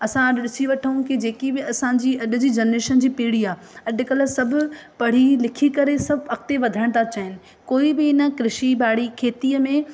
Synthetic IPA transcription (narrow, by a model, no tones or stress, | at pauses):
ɐsãɐɗɗɪsiʋɐʈʰəũkɪd͡ʑeːkibɪɐsãd͡ʑiːɐɗʊ̆d͡ʑiːd͡ʑɐneːʃənd͡ʑiːpiːɽ̤iaː | ɐɗʊ̆kɐlə̆sɐbʱʊ̆pɐɽ̤ilɪkʰikɐɾesɐbʱɐk̚t̪eʋɐd̪ʱəɽ̃t̪ʰat͡ɕaɦɪnɪ̆ | koːibɪɪnə̆kɾɪʃibaːɽ̤ikʰeːt̪iːəmẽ